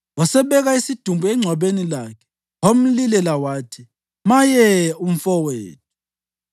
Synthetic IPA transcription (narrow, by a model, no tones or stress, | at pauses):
wasɛβɛɣaisid̥ʱumbʱuɛŋ͡ǀʱwaβenilakʰɛ̥ | om̩lilɛlawaːtʰi | majɛum̩fɔweːt̚ʰu̥